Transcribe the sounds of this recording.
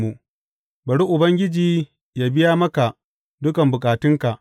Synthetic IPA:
mu˨ | bɐ˨ɽi˦ʔʊ˨bɐ˦ŋɡʲɪ˦d͡ʒiː˨ | jaː˦bɪ˦jaː˦mɐ˦ka˨ʔ | dʊ˦kɐ˨mbʊ˨kʼaː˨tɪ˦ŋka˨ʔ

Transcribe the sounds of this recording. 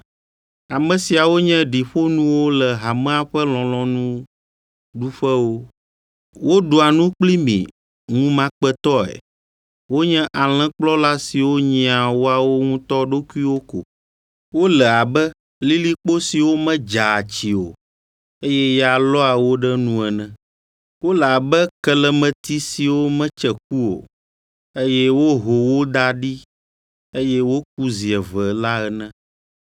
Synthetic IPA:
a˨mɛ̃˨si˨a˨wo˦ɲɛ̃˦ɖi˨ɸo˦nũ˦wo˦lɛ˨ɦa˨mɛ̃˦a˦ɸɛ˦lɔ̃˨lɔ̃˦nũ˦ | ɖu˦ɸɛ˦wo˦ | wo˦ɖo˨a˨nũ˦k͡pli˦mḭ̃˨ | ŋũ˦mã˦k͡pɛ˦t̪ɔ˦ɛ̰˨ | wo˦ɲɛ̃˦ʔa˨l̃ɛ̃˦k͡plɔ˦la˦si˨wo˦ɲĩ˨a˨wo˦a˨wo˦ŋũ˦t̪ɔ˦ɖo˦ku˦i˦wo˦ko̰˨ | wo˦lɛ˨a˨bɛ˦ | li˦li˦k͡po˦si˨wo˦mɛ̃˦d͡ʒa˨t͡ɕi˨o̰˨ | e˦jɛ˦ja˨lɔ˦a˨wo˦ɖɛ˦nũ˦ɛ˨nɛ̃˦ | wo˦lɛ˨a˨bɛ˦kɛ˦lɛ˦mɛ̃˨t̪i˦si˨wo˦mɛ̃˦t͡ʃɛ˨k̚u˦o̰˨ | e˦jɛ˦wo˦ɦo˨wo˦d̪a˦ɖi˦ | e˦jɛ˦wo˦k̚u˦zi˨ɛ˨vɛ˨la˦ɛ˨nɛ̃˦

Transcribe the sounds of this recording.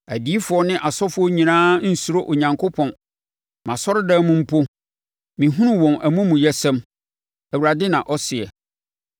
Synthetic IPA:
æ˨di˨˦fʊ˨ɔ˦nɪ̃˦ʔa˨sɔ˦fʊ˦ɔ˦ɲĩ˨nãː˦n̩˦su˨ɾo˦ʔo˨ɲã˨ŋkʰo˦pʰɔ̃˨n | mã˨sɔ˦ɾdã˦mũ˦m̩˦pʰo˦ | mĩ˨ɦũ˦nʊ̃˦wɔ̃˨nʔæ˨mũ˦mũ˨jɛ˦sɛ̃˦m | æ˨wu˨ɾa˨dɪ˦nã˨ʔɔ˦sɪ˨ɛ̰˨

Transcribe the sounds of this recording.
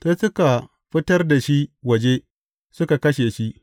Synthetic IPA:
se˦sʊ˦ka˨ | ɸɪ˦tɐ˦rda˨ʃi˦wɐ˨d͡ʒe˦ | sʊ˦ka˨kɐ˦ʃe˨ʃi˦ʔ

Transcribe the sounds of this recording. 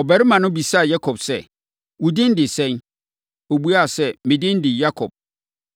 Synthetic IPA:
ɔ˨bɛ˦ɾɪ˦mã˨nʊ̃˦bi˨sa˦˨ja˦kʰɔ˨bsɛ̰˨ | wu˨dɪ̃˦n̩˦dɪ˨sɛ̃˦n | o˨bu˦a˦˨sɛ˦mɪ̃˨dɪ̃˦n˦dɪ˨ja˦kʰɔ̰˨b̚

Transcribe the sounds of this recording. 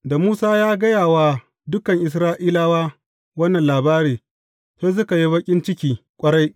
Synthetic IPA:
da˨muː˦saː˦jaː˦ɡɐ˦jaː˨waː˨ | dʊ˦kɐ˨ŋʔɪ˨s̬ɾaː˦ʔiː˦laː˦waː˦ | wɐ˦nːɐ˨nlaː˨baː˦ɽiː˨ | seː˦s̬ʊ˦ka˨ji˦bɐ˦kʲʼɪ˦nt͡ʃɪ˦kʲiː˨kʷʼɐ˦ɽa˦j

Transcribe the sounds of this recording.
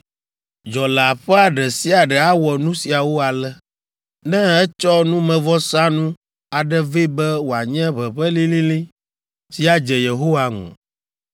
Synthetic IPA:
d͡ʒɔ˨la˨ɸɛ˦a˨ɖɛ˨si˦a˨ɖɛ˨a˦wɔ˨nũ˦si˨a˨wo˦a˨lɛ˦ | nɛ̃˦ɛ˦t͡ʃɔ˦nũ˦mɛ̃˨vɔ˦sa˦nũ˦ | a˨ɖɛ˦vi˦bɛ˦wo˨a˨ɲɛ̃˦βɛ˨ɸɛ˦li˦lĩ˦lĩ˦ | si˦a˨d͡ʒɛ˨je˨ɦo˦wa˦ŋɔ̰̃˨

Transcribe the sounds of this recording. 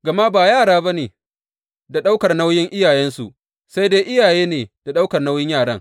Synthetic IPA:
ɡɐ˨ma˦baː˨jaː˦˨ɽaː˦ba˦neː˨ | da˨ɗa˦wkɐ˨rna˦wjɪ˦ŋʔɪ˦jaː˨jɛ˦nsu˨ʔ | sa˦jdeː˦ʔɪ˦jaː˨jeː˦neː˨d̥a˨ɗa˦wkɐ˨rna˦wjɪ˦ɲjaː˦˨ɽɐ˦ŋ

